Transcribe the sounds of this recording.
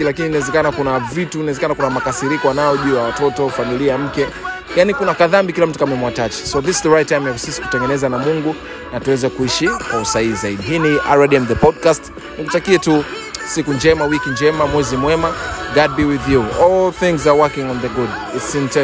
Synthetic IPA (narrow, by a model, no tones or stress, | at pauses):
ilakininaɛzɛkanakunavitunaɛzɛkanakunamakasiɾikɔwanaɔʄujawatɔtɔfamiliam̩kɛ | janikunakaðambikilam̩tu̥kamɛmwatat͡ʃi̥sɔðiszðəɹajtːajmjakusisi̥ku̥tɛŋɡɛnɛzanamuŋɡu | natuwɛzɛkuiʃikwausaiːzaiɗiɦiːniʔa̰ɹɛdiɛmðəpɔd̚kast | nikutakiɛtu | sikund͡ʒɛmawikind͡ʒɛmamwɛzimwɛmaɡad̚biwiðjuɔlθɪ̃ŋzawɜkĩŋɔnðəɡuditsĩntɛ